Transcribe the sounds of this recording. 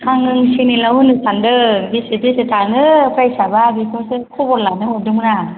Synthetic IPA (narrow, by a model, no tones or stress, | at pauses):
kʰaŋɯŋsinilawɯnɯsandɯbisipisɯtʰanɯpʰɾajsababikʰɔskʰubɔɾlanɯɦɔdɯmna